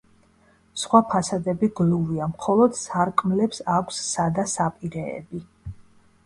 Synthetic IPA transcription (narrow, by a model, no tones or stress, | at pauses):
sχwapʰasad̪ɛbiɡluviamχɔlˠɔd̪̥saɾkʼmlɛpsakʷʰsːad̪asapʼiɾɛɛ̰bi